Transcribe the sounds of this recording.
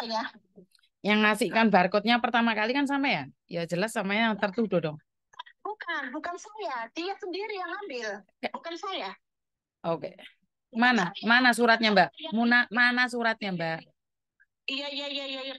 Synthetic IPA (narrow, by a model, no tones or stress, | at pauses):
ja | jaŋːasɪkanbarkɔt̪̚ɲapərt̪amakalikans̬ampajajad͡ʒəlasːamaɲajaŋt̪ərt̪udodɔŋ | b̥ukanbukansajad̪iatsəndiɾijaŋhambɪl | bukansaja | ʔokḛ | manamanas̬uɾat̪̚ɲambaʔmunamanasuɾat̪̚ɲambaʔ | ijaijaijaijaija